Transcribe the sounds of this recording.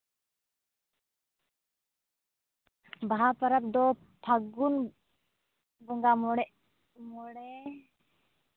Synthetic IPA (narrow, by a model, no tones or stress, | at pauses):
baɦapaɾap̚d̪ɔ | pʰaɡun | bɔŋɡamɽɛʔ | mɔɽɛ